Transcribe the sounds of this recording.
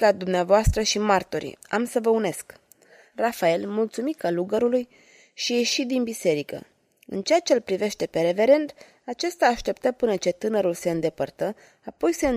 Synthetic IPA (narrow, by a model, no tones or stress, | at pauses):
ad̪umneavoast̪ɾəʃimart̪o̞ɾḭa̰msəvəune̞sk | rafae̞lmult̪sumikaluɡəɾuluj | ʃije̞ʃid̪inbise̞ɾikə̰ | ɨnt͡ʃejat͡ʃe̞lpɾive̞ʃt̪e̞pe̞ɾe̞ve̞ɾe̞nt̪ | at͡ʃest̪aːʃt̪e̞pt̪əpɨnət͡ʃe̞t̪ɨnəɾulse̞ɨnd̪e̞pərt̪ə | apo̞jse̞